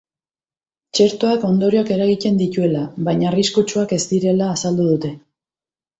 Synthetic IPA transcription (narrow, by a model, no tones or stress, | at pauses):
t͡ʃe̞ɾt̪o̞ako̞nd̪o̞ɾioake̞ɾaɣit̪e̞nd̪it̪ue̞laβajɲariskut͡ʃuake̞zt̪iɾe̞laːsald̪uð̞ut̪e̞